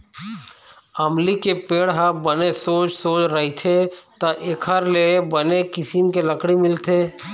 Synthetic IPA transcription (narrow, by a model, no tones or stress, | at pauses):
ɐmlikepeːɽɦəbənesoːt͡ʃsoːt͡ʃɾɐɦit̪ʰet̪aʔekʰəɾlebənekɪsimkelɐkɽimɪlt̪ʰeː